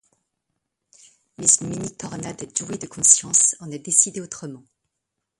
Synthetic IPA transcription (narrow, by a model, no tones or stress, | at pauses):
mɛzynminit̪ɔʁnad̪ɛʒuwed̪əkʰɔ̃sjɑ̃sɑ̃nɛd̪esid̪eot̪χəmɑ̃